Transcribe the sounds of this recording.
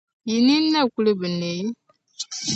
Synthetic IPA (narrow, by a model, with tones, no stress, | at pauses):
ji˨ni˦nːa˦˨kʷu˦lə˦bɨ˨ne˨˦